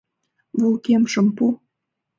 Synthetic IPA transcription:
βulˠkemʃə̆mpu

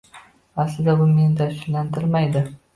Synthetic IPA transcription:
aslɪd̪abʊmend̪aʃnlant̪ɪɾmajd̪ɪ

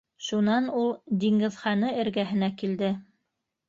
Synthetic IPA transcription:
ʃunɑnulˠd̪iŋɡɘ̆ðχɑnɤɘ̆ɾɡæɦɘ̆nækild̪ɘ

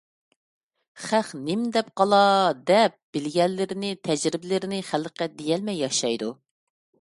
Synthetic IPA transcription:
χæχnɪmd̪ɛp̚qʰɑlˠɑd̪ɛp̚b̥ɪlɡʲɛlːɪɾɪnɪt̪ʰɛd͡ʒɾɪbɪlɪɾɪnɪχælqæd̪ejɛlmɛjːɑʃɑjd̪u

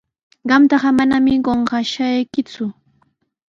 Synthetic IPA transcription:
ɢɑmt̪ɑɢɑmanamɪɢoɴɢɑʃajkɪt͡sʊ

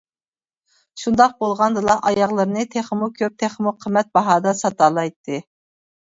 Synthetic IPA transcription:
ʃund̪ɑq̚bolˠʁɑnd̪ɨlˠɑʔɑjɑʁlˠɨɾɨnɨt̪ʰeχmukʲʰøp̚t̪ʰeχmuqʰəmːɛt̪̚bɑɦɑːd̪ɑsɑt̪ɑlˠɑjt̪ʰːɨ

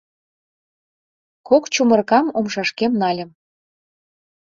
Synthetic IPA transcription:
kokt͡ɕumərkɑmomʃɑʃkemnɑlʲə̆m

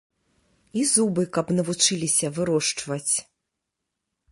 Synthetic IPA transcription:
izubɨkɐpnɐvut͡ʂɨlʲisʲɐvɨɾɔʂt͡ʂvɐt͡sʲ

